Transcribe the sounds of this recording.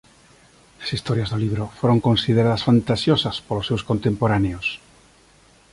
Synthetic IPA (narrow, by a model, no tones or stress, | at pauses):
lasist̪oɾjazðoliβ̞ɾofoɾoŋkõnsið̞eɾaðasfant̪asjosaspolosːewskont̪empoɾaneos